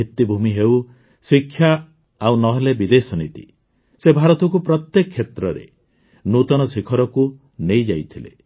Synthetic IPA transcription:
it̪ːibʱumiɦew | sikʰːja | awnɔɦɔlebid̪esɔnit̪ḭ | sebʱaɾɔt̪ɔkupɾɔt̪jekɔkʰːjet̪ɾɔɾḛ | nut̪ɔnɔsikʰɔɾɔku | nejd͡ʒajt̪ʰilḛ

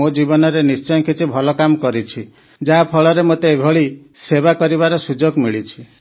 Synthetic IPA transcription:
od͡ʒibɔnɔɾenist͡ʃɔnkʰit͡ʃʰibʱɔlɔkamɔkɔɾit͡ʃʰi | d͡ʒapʰɔɭɔɾemot̪eːbʱɔɭiseβakɔɾiβaɾɔsud͡ʒoɡmiɭit͡ʃʰi̥

